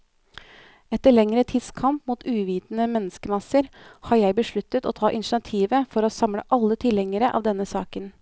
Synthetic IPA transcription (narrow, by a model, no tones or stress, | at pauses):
ɛt̪əɭɛŋɾət̪ʰiːd̪skʰɑmpmuːt̪ʉːʋiːt̪nəmɛnːəskəmɑsəɾhɑːɾjæɪbəʂɭʉt̪ːət̪o̰ːt̪ʰɑːʔɪnʃɑt̪ʰiːʋəfɔɾoːsɑmɽə̰ʔɑlːət̪ʰɪlɛŋəɾəʔɑ̰ːʋd̪ɛnːəsɑ̰ːkən